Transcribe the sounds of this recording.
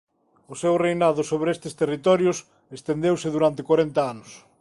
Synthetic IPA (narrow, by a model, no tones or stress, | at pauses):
ʊsewrejnaðʊsoβɾest̪ɪst̪erit̪ɔɾjʊs | est̪end̪ewsɪðuɾant̪ɪkwaɾent̪ɐanʊs